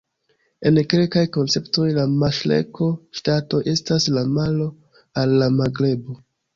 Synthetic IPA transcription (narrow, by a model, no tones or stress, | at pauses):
e̞nke̞lkajko̞nt͡se̞pto̞jlamaʃle̞̰kʰo̞ʃtato̞ʔe̞staslamalo̞ | alːamaɡle̞bo̞